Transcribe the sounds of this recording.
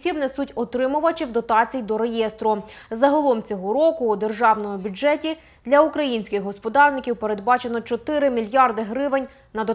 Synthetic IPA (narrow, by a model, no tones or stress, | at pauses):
sʲibnesutʲɔt̪ɾɪmʊʋɐt͡ʃiwd̪ɔt̪ɑt͡sʲijd̪ɔɾejɛst̪ɾʊ | zɐɦɐlˠɔmt͡sʲɔɦɔɾɔkʊːd̪e̞rʒɑwnɔmʊbʲʊd͡ʒɛtʲi | d̪lʲɐʊkɾɐjinʲsʲkɪxɦɔspɔd̪ɑrnɪkʲiwpeɾe̞d̪̚bɑt͡ʃenɔt͡ʃɔt̪ɪɾɪmʲilʲjɑrd̪ɪɦɾɪʋenʲ | nɐd̪ɔ